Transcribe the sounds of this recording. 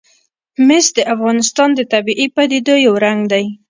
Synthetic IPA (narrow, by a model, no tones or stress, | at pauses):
mɪsd̪əʔafɣɑnɪst̪ɑnd̪ət̪abiʔipad̪id̪ojawɾaŋɡd̪aj